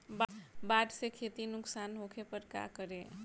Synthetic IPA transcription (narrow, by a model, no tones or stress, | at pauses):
bbaːʈsekʰeːt̪inʊksaːnɦoːkʰepəɾka̰kəɾe